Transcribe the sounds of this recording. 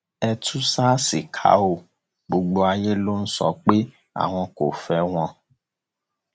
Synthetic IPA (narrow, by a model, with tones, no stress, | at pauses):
ɛ˦˧tʰu˦sa˦si˨kʰa̰˨˦o˦˨ | ɡ͡bu˨ɡ͡bo˨a˨je˦lo˦n̩˦sɔ̰˨k͡pe˦ | a̰˨w̃ɔ̃˧ko˨fɛ˨˦w̃ɔ̃˧